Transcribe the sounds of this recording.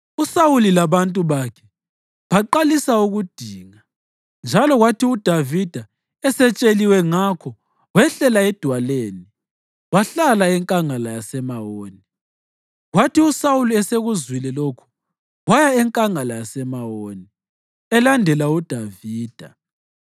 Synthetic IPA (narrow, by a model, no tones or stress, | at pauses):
usawulilaβantʼuβaːkʰɛ̥ | βaǃalisauɣud̥ʱiːŋa | nd͡ʒʱalɔɣwatiud̥ʱavid̥ʱa | ɛsɛt͡ʃʼeliwɛŋakʰɔ | wɛɬɛlaɛd̥ʱwaleːni | waɬalaɛŋkʼaŋalajasɛmawoːni | ɣwatiusawuluɛseɣuzwilɛlokʰu̥ | wajaɛŋkʼaŋalajasɛmawoːni | ɛlandʱɛlaud̥ʱaviːd̥ʱa